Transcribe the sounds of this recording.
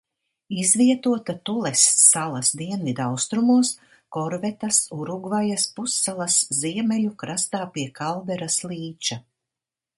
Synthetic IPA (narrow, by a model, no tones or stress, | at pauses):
izvʲiɛt̪uɔt̪at̪ulˠɛsːalˠɐsd̪iɛnvid̪awst̪ɾumuɔs | kɔɾvɛt̪asuɾuɡvajaspusːalˠɐsziɛmɛlukɾast̪aːpiɛkʰalˠvɛɾaslˠiːt͡ʃa